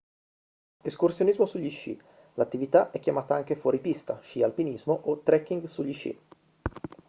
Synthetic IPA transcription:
eskursjonizmosuʎːiʃḭ | lat̪ːivit̪aʔɛkːjamaːt̪aaŋkefwɔːɾipist̪aʃialpinizmoʔot̪ːɾɛkːiŋɡsuʎːit͡ʃːḭ

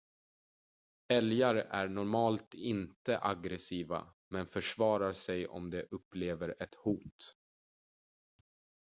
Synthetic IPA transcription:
ɛljaɾʔæɳɔɾmɑːlt̪ɪnt̪əʔaɡɾɛsiːva̰ | mɛnfœʂvɑːɾaɾsɛjɔ̰md̪ɛʔɵpːleːvəɾɛt̪huːt̪

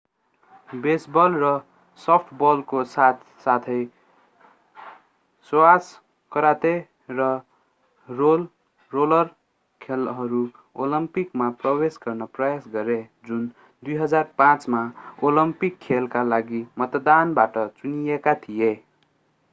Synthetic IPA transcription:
besbʌlrʌ | sʌpʰʈʰbʌlkosat̪ | sat̪ʰʌj | swas | kʌɾat̪e | rʌ | rolː | olʌr | kʰelɦʌɾu | olʌmpikmaprʌwesɡʌrnʌprʌjasɡʌɾed͡zun | d̪ujɦʌd͡zarpãt͡smaolʌmpikʰːelkalaɡimʌt̪d̪anbaʈʌt͡sunijekat̪ʰije

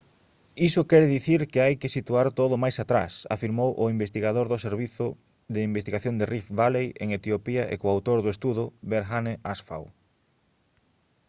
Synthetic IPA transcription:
isʊkɛɾðiθiɾkɪajkɪsit̪uaɾt̪oðʊmajsat̪ɾa̰sa̰fiɾmowʔʊimbest̪iɣaðoɾðʊseɾβiθʊ | ðɪimbest̪iɣaθjoŋd̪ɪrifβalejḛŋet̪iopiaʔḛkoawt̪oɾðʊest̪uðʊβeɾxaneʔasfa̰w

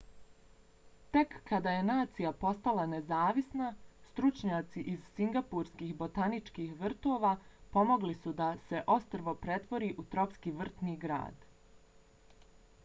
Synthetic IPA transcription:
t̪e̞kːad̪aje̞naːt̪sijapo̞st̪alˠanezaːʋisnast̪ɾut͡ʃɲaːt̪siʔizsiŋɡapuɾskiːxbo̞t̪anit͡ʃkiːxʋr̩t̪o̞ːʋaːpo̞mo̞ɡlisud̪ase̞ʔo̞st̪r̩ʋo̞pɾe̞t̪ʋo̞ɾiːʔut̪ɾo̞pskiːʋr̩t̪niːɡɾa̰ːd̪̥

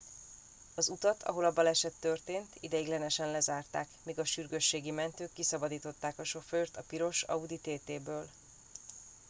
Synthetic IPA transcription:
ɒzut̪ɒt̪ʰɒ̰ɦo̞lɒbɒlɛʃɛt̪ːø̞rt̪eːnt̪ʰid̪ɛiɡlɛnɛʃɛnlɛzaːrt̪aːkmiːɡɒʃyrɡøʃːeːɡimɛnt̪øːkːisɒbɒd̪iːt̪o̞t̪ːaːkɒʃo̞føːrt̪ɒpiɾo̞ʃɒ̰ud̪it̪eːt̪eːbøːl

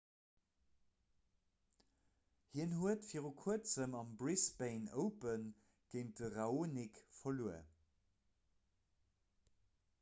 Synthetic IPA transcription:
hiənhuətfiːʁukʰuət͡səmɑmbrisbeɪnəʊpən | ɡ̥eɪn̚dəʁɑoːnikfɐluə̰

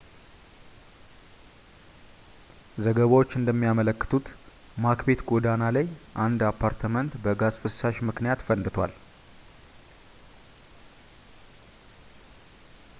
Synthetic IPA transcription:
zəɡəβawo̞t͡ʃːɨnd̪əmːijamələkːɨ̥t̪ʰut̪ | makbe̞t̪ɡo̞d̪analajʔand̪apʰːaɾt̪ʰəmənt̪bəɡazfɨsaʃmɨknijat̪fənd̪ɨt̪ʰwa̰l

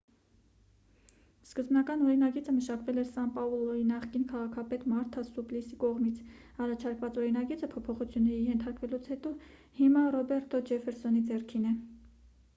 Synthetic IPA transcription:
skəzbnɑkɑnɔɾinɑɡit͡səməʃɑkvɛlɛɾsɑmpɑulɔinɑχkinkʰɑʁɑkʰɑpɛt̪mɑɾt̪ʰɑsuplisikɔʁmit͡sʰ | ɑrɑt͡ʃʰɑɾkvɑt͡sɔɾinɑɡit͡səpʰɔpʰɔχut͡sʰjunːɛɾijɛnt̪ʰɑɾkvɛlut͡sʰhɛt̪ɔ | himɑrɔbɛɾt̪ʰɔd͡ʒɛfɛɾsɔnid͡zɛrkʰinɛ

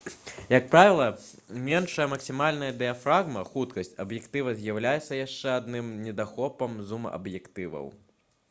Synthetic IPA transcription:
jɐk̚pɾavʲɛlˠɐ | mʲɛnʂɐjɐmɐksʲimalʲnɐjɐd̪ɛjɐfɾaɣmɐxut̪kɐsʲt͡sʲɐbjɛkt̪ɨvɐzʲjawlʲajɛt̪sːɐjaʂt͡ʂɛad̪nɨmnʲɛd̪axɔpɐmzumɐ̰ʔɐ̰bjɛkt̪ɨvɐ̰w

